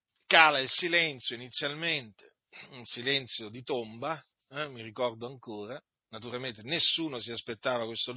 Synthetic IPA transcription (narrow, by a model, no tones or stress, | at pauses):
kaːlailsilɛnt̪sjoinit̪sːjalment̪e̥ | unsilɛnt̪sjod̪it̪omba | ɛmirikɔrd̪oaŋkoːɾa | nat̪uɾalment̪enesːuːnosiaspet̪ːaːvakwest̪ol